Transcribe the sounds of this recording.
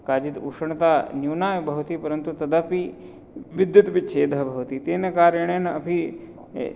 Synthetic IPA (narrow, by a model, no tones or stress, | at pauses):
kaːd͡ʒit̪uʂɐɳɐt̪aːnjuːnaːjɐbʱɐʋt̪ipɐɾɐnt̪ut̪ɐd̪api | ʋid̪jɐt̪pit͡ʃʰeːd̪ɐɦɐbʱɐʋut̪it̪eːnɐkaːɾjɐɳɐjnɐpʰi